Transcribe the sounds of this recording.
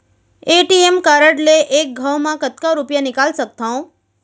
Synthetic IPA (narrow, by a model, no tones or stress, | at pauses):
eʈiemkaɾəʈleʔek̚ɡʱəwmãkət̪kaɾupjanɪkalʃək̚t̪ʰaõ